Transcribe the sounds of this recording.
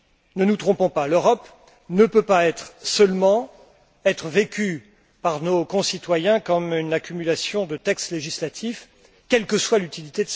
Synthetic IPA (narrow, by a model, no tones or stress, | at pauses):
nənut̪χɔ̃pɔ̃paløʁɔp | nəpøpaɛt̪χsœlmɑ̃ | ɛt̪χəvekʲy | paʁnokɔ̃sit̪wajɛ̃kɔmynakʲymylasjɔ̃d̪ət̪ɛkst̪leʒislat̪ʰif | kʲɛlkəswalyt̪ilit̪ed̪əs